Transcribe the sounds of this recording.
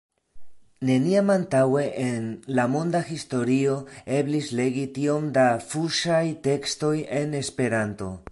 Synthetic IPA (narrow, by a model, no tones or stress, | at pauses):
ne̞niamantawe̞ʔenlamo̞ndahisto̞ɾio̞e̞blisle̞ɡitio̞mdafuʃajte̞ksto̞je̞ne̞spe̞ɾanto̞̰